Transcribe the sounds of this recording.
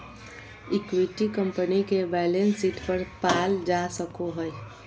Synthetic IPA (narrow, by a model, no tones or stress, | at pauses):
ɪkwiʈikə̃mpənikebɛːlensiːʈpəɾpaːld͡ʒasəkoɦəj